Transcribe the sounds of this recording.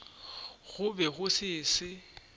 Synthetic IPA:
ɣʊbɛɣʊsɪːsɪ

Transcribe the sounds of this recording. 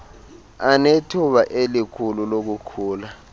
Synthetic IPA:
anetʰuɓaʔelikʰululok̬ukʰuːla

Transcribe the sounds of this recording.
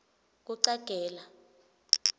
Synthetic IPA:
k̬uǀaɡ̥ʱɛːla

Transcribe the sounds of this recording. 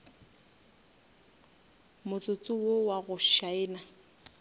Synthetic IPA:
mʊt͡sʼʊt͡sʼʊwowaɣʊʃaɪːna

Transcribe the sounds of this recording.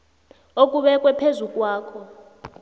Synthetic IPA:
okʼuɓɛkʼwɛpʰezukʼwaːkʰɔ

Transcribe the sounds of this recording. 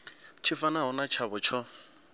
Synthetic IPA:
t͡ʃʰɪfanaɦʊnat͡ʃʰaβʊt͡ʃʰɔ

